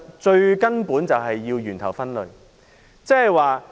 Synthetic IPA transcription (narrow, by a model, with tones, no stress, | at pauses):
t͡ʃɵ˧ɥkɐ˥npuː˨˥nt͡sɐ˨wɦɐ˨jːiː˧wjyː˨˩nt̪ʰɐ˨˩wfɐ˥nlɵ˨ɥ | t͡sɛ˥hɐ˨jwaː˨